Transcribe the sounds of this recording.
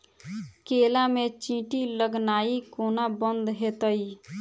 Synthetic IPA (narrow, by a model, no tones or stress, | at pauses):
keːlamẽt͡ʃĩːʈiləɡnaːikoːnabənd̪ɦet̪əi